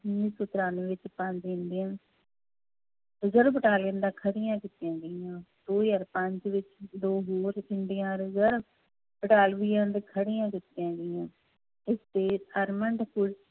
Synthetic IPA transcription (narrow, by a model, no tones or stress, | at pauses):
niːsʊt̪ɾaːneʋɪt͡ʃpə̃ɲd͡ʒɪɳɖ̪ɪjãː | ɾəzəɾbəʈaːlɡɪnd̪ãːkʰəɽɪjãːkɪt̪ːɪjãːɡɪjãːd̪oːjəɾpəɲd͡ʒʋɪt͡ʃd̪oːɦoːɾɪɳɖɪjãːɾəzəɾ | bəʈaːlʋiːjãːd̪ekʰəɽɪjãːk̬ɪt̪ːɪjãːɡɪjãː | ɪst̪eːəɾməɳɖkʊɽ